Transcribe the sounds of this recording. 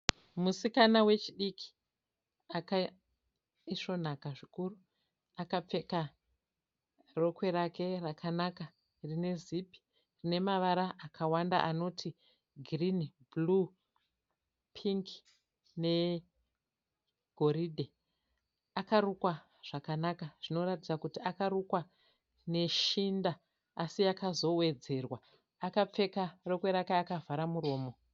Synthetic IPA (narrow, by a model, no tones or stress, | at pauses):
musikanawe̞t͡ʃiɗikʰi̥ | aka | iʂo̞n̤akaʐikuru | akap͡fe̞ka | ro̞kwe̞ɾake̞rakʰanaka | rine̞zipi̥ | rine̞maʋaɾaʔːkʰawanda̰ʔano̞tʰi | ɡʱrinblu | pʰiŋk | ne̞ | ɡʱo̞ɾidʱe | akaɾukwa | ʐ̥akanakaʐ̥ino̞ɾatid͡zakutiakaɾukwa | ne̞ʃindaː | sijakazo̞we̞d͡ze̞rwa | akap͡fe̞karokweɾakaːkavʱaɾamuɾo̞ːmo̞